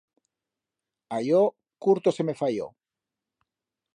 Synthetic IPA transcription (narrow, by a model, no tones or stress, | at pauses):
ajo | kuɾt̪oseme̞fajo̰